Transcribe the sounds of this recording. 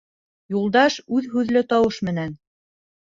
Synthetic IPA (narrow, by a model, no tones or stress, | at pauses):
julˠd̪ɑʃʉðɦʉðlɘt̪ɑwɤʃmɘ̆næn